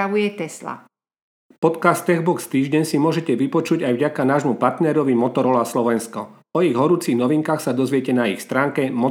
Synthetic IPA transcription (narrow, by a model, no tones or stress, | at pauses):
aʋujɛt̪ɛsla̰ | pɔt̪kast̪ːɛɣbɔkst̪iːʒɟɛɲsimʊɔʒɛcɛʋipɔt͡ʃuɟajvɟakanaːʒmupaɾt̪nɛɾɔʋimɔt̪ɔɾɔlaslɔʋɛnskɔ | ɔiɣɦɔɾuːt͡siɣnɔʋiŋkaːxsad̪ɔzʋɪɛcɛnaixst̪ɾaːŋkɛmɔ